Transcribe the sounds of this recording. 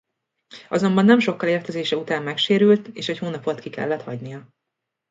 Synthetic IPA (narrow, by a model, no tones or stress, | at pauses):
ɒzo̞mbɒnːɛmʃo̞kːɒleːrt̪ɛzeːʃɛut̪aːmːɛkʃeːɾylt̪eːʃɛchoːnɒpo̞t̪kikɛ̰lːɛt̪hɒɟnijɒ